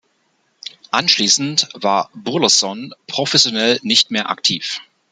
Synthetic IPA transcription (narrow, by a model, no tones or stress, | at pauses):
ʔanʃliːsn̩tv̥aːɐbʊɐlɐsɔnpʁ̥ofɛsjonɛlnɪçtmeːɐʔa̰ktʰiːf